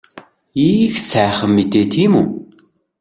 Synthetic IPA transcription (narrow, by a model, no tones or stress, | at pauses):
iːxsæːχə̆mːit̪eːt̪ʰiːmṵː